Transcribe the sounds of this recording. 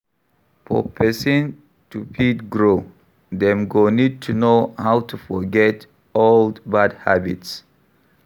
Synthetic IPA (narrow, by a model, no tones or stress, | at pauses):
fɔ̰pʰɛsĩn | tupʰitɡɹo | d̪ɛ̃mɡonid̚tʰunohawtʰufɔɡɛt | oldbadhabḭts